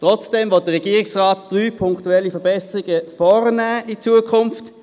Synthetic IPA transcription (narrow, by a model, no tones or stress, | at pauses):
tʁɔt͡sd̥ɛmvɔt̚d̥əʁːɛɡiːɪksʁaːtd̥ʁyːpʰʊŋktuɛlːifɛɐbɛsəʁɪɡəfɔːʁnæːʔɪt͡suəkʰʊnft